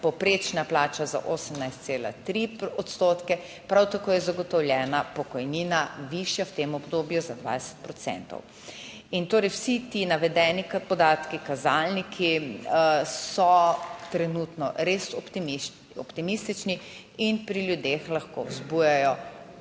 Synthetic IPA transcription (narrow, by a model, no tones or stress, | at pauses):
pɔpɾeːt͡ʃnaplaːt͡ʃaza̰ʔoːsəmnajst̪seːla̰t̪ɾiɔt̪st̪oːt̪kɛ | pɾawt̪akoːjɛzaɡɔt̪ɔwljɛːnapɔkɔjninaʋiʃjawt̪emɔbd̪oːbjuzad̪ʋa̰jsɛ̥t̪̚pɾɔt̪sɛ̰nt̪ɔ̰w | int̪oːɾɛjwsit̪inaʋɛd̪ɛːnipɔd̪aːt̪kikazalnikʰi | sɔt̪ɾɛnut̪nɔ̰ɾesɔt̪imi | ɔpt̪imist̪it͡ʃni | inpɾiljud̪exlaxko̰wzbujajɔ